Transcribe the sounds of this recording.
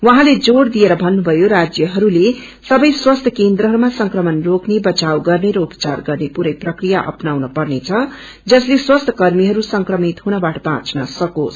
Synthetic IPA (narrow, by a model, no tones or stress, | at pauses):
wʌɦãled͡zoɽd̪ijeɾʌbʱʌnːubʱʌjoɾad͡zjʌɦʌɾule | sʌbʌjswʌst̪ʰʌkend̪ɾʌɦʌɾumasʌŋkrʌmʌnroknebʌt͡sawɡʌrneɾʌupʌ̥t͡sarɡʌrnepuɾʌjprʌkrijaʔʌ̰pnawnʌpʌrnet͡sʰʌ | d͡zʌsleswʌst̪ʰʌ̥kʌrmiɦʌɾusʌŋkrʌmit̪ɦunʌbaʈʌbãt͡snʌsʌko̰s